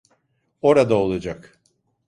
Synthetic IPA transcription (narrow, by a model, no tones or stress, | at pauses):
o̞ɾad̪aolˠad͡ʒak